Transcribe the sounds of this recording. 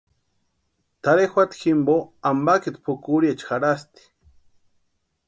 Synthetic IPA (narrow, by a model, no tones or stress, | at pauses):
t̪aɾexʷat̪ximboambakit̪pʰukuɾiet͡ʃxaɾast̪i̥